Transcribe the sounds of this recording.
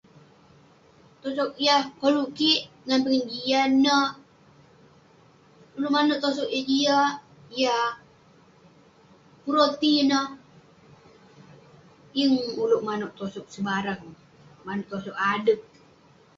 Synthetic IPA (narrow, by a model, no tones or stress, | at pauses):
t̪osɔk̚ijakoluʔkiʔ | ŋanpəŋənd͡ʒianːə | uluʔmanoʔt̪os̬okad͡ʒia | ija | puɾot̪inə | jəŋuluʔmanoʔt̪osɔk̚səbaɾaŋ | manoʔt̪osɔkadək̚